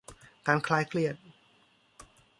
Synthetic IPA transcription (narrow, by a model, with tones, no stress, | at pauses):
kaː˧nkʰlaː˦˥jkʰli˥˩ət̪̚